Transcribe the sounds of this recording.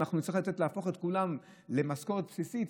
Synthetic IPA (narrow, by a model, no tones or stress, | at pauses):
aχnunitt͡sʁiilat̪et̪leafo̞χet̪kulam | le̞maskoʁet̪̚psisit̪